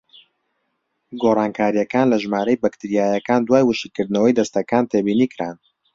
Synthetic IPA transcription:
ɡorˤɑːnkʰaːɾijɐkaːnlɐʒmaːɾɐjbɐkt̪ɨɾijaːjɐkaːnd̪waːjwɨʃiːkɨɾd̪nɐwɐjd̪ɐst̪ɐkaːnt̪ʰeːbiːniːkɨɾaːn

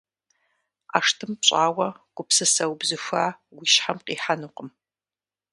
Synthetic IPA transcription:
a̰ːʂtʰɨmpɕʼaːwɐɡ̥ʷʼʊpsɨsɐwbzɨxʷaːwiʃħamqiːħanuqʼəm

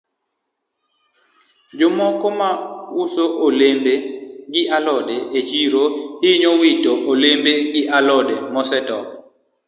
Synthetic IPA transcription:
d͡ʒʊmɔkɔmawusoʔolembeɡɪʔalɔdeʔet͡ʃiɾoɪɲɔwitoʔolembeɡɪʔalɔdemɔsɛtɔ

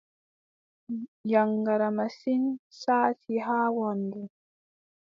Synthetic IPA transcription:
jaŋɡaɾamasinsaːtiɦaːwandu

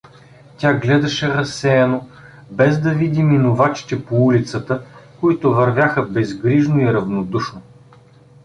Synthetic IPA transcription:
t̪ʲaɡlɛd̪ɐʃɛɾɐsːɛɛno | bɛzd̪ɐvid̪iminovat͡ʃi̥t̪ɛpoulit̪sət̪əkoit̪ʊvɐɾvʲjaxəbɛzɡɾiʒnoiɾɐvnod̪uʃno

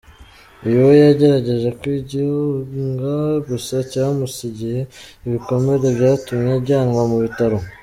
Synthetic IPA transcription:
ijowojaɟe̞ɾaɟe̞ʒe̞kwiɟiuŋɡaɡusacamusiɟihe̞iβiko̞me̞ɾebɟaːtumɲeɟaːŋɡamuβitaɾo̞

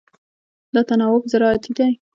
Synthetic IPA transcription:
d̪ɑt̪anɑwʊbzaɾɑat̪id̪aj

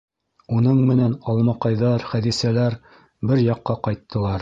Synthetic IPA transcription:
unɤɴmɘ̆nænɑlˠmɑqɑjðɑɾχæðisælæɾ | bɘɾjɑqːɑqɑjt̪ːɤ̆lˠɑɾ

